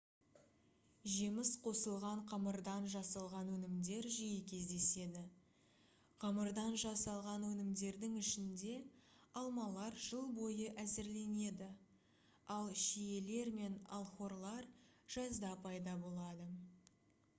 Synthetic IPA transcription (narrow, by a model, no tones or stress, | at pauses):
ʒimɪsqʰo̞səlˠʁɑɴqʰɑməɾd̪ɑnʒɑsɑlˠʁɑnwɵnɪmd̪e̞ɾʒijɪkʲʰe̞zd̪e̞se̞d̪ɪ | qʰɑməɾd̪ɑnʒɑsɑlˠʁɑnwɵnɪmd̪e̞ɾd̪ɪŋɪʃɪnd̪e̞ | ɑlˠmɑlˠɑɾʒəlˠbo̞jəʔæzɪɾle̞ne̞d̪ɪ | ɑlˠʃije̞le̞ɾme̞nɑ̰lˠχo̞ɾlˠɑɾ | ʒ̥ɑzd̪ɑpʰɑjd̪ɑbo̞lˠɑd̪ə